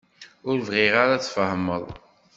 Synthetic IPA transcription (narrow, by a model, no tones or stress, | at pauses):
ʊɾvʁɪʁaɾaθfəhməðˤ